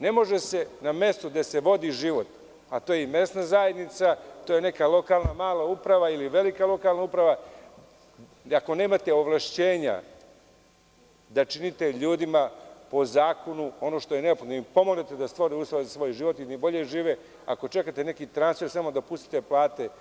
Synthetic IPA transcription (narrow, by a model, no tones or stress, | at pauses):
ne̞mo̞ʒese̞name̞st̪ud̪ese̞ʋo̞d̪iʒiːʋo̞t̪ | at̪oːjeime̞snazaje̞d̪nit̪sat̪oːje̞ne̞kalˠo̞kalˠnamaːlaupɾaʋailiʋe̞likalˠo̞kalˠnaupɾaʋa | ako̞ne̞ːmat̪e̞oʋlˠaʃt͡ɕe̞ːɲa̰ | d̪at͡ʃinit̪e̞ʎuːd̪imapo̞zaːko̞nuo̞no̞ʃt̪o̞jeneopxod̪noipo̞moɡne̞t̪e̞d̪ast̪ʋo̞ɾiuːslˠoʋezasʋo̞ːjʒiʋo̞t̪iibo̞ʎeʒiːʋe | a̰ko̞t͡ʃe̞kat̪ene̞kit̪ɾansfe̞ɾsamo̞d̪apust̪i̥t̪e̞plˠaːt̪e